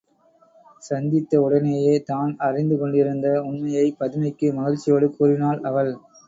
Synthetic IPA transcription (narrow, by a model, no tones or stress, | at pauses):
sɐnd̪ɪt̪ːɐʊɽɐneːjeːt̪aːnɐrɪnd̪ɯkɔɳɖɪɾɯnd̪ɐʊɳmɐjɐɪpːɐðɯmɐɪkːɯmɐɣɐɻt͡ʃːɪjoːɽɯkːuːɾɪnaːlɐʋɐɭ